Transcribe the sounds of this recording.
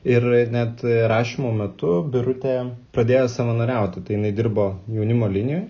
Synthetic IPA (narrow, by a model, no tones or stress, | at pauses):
ɪrnʲɛt̪ɾɑːʃʲimoːmʲɛt̪ʊbʲɪɾʊt̪ʲeːpɾɐd̪ʲeːjoːsɑʋɐnɐɾʲɛˑʊt̪ʲɪt̪ɐɪjɪnɐɪd̪ʲɪrboːjɛʊnʲɪmoːlʲɪnʲɪjoːj